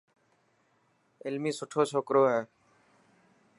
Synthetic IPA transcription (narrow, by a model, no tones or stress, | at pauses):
ɪlmiːsʊʈʰoːt͡ʃʰoːkɾoːɦɛː